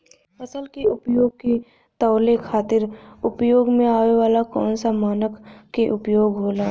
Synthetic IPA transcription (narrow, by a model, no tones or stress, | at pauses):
əsəlkeʊpjoːɡ̚ki | t̪əːlekʰaːt̪ɪɾʊpjoːɡmẽaːʋeʋaːlakɔ̰ːnsamaːnəkːeʔʊpjoːɡɦoːlaː